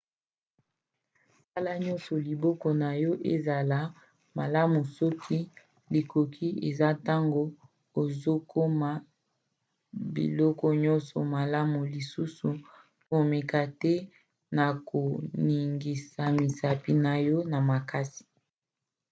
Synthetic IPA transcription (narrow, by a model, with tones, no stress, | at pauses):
sa˦la˦ɲɔ˦nsɔ˨li˨bɔ˦kɔ˦na˨jɔ˦ʔe˦za˨la˦ | ma˨la˦mu˨sɔ˦kʰi˦ | li˨kʰo˨kʰi˦ʔe˨za˦ta˦ŋɡo˦ | o˨zo˦kʰo˦ma˨ | bḭ˨lɔ˦kɔ˦ɲɔ˦nsɔ˨ma˨la˦mu˨li˨su˦su˨ | mo˨me˨ka˨tɛ˦ | na˨ko˨ni˨ŋɡi˨sa˨mi˨sa˨pi˨na˨jɔ˦na˨ma˨ka˦si̥˨